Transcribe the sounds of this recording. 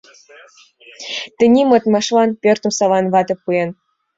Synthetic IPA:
t̪ɘ̆nʲimɤ̆t̪mɑʃlɑnpʲørt̪ə̆msɑlɑnβɑt̪ɤ̆pːujen

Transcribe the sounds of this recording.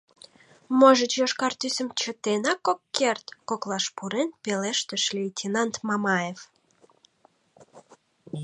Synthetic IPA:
moʒət͡ɕjoʃkɑrt̪ysə̆mt͡ɕət̪enɑkːokːert̪koklɑʃpuɾenpeleʃt̪əʃlʲiit̪ʲinɑnt̪mɑmɑjef

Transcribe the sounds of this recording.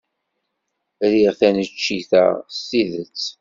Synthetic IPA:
ɾiʁθænət͡ʃːiθæ̰stiðət͡sː

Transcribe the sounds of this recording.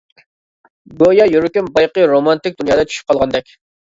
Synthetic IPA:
ɡojɑjøɾykʲynbɑjqəɾomɑnt̪ɪk̚ʲd̪unjɑːd̪ɑt͡ʃʰy̥ʃy̥p̚qʰɑlˠʁɑnd̪ɛkʲ

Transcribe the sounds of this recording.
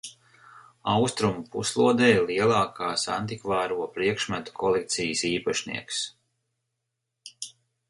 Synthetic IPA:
awst̪ɾumupuslˠuɔd̪ɛːjlˠiɛlˠɑːkʰaːsa̰nt̪ikvɑːɾuɔpɾiɛkʃmæt̪u̥kʰɔlˠek̚t̪sijəsiːpaʃnḭɛks

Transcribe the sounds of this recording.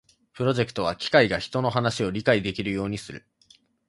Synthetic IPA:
pɯ̟ɾo̞ʑe̞kɯ̟̥t̪o̞β̞akʲi̥kaiɡaçi̥t̪o̞no̞ɦanaɕio̞ɾʲikaid̪e̞kʲiɾɯ̟jo̞ːɲ̟isɨɾɯ̟̰

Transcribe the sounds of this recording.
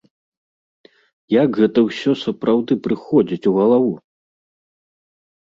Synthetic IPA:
jaɡɣɛt̪ɐwsʲɔsɐpɾawd̪ɨpɾɨxɔd͡zʲit͡sʲuɣɐlˠavu

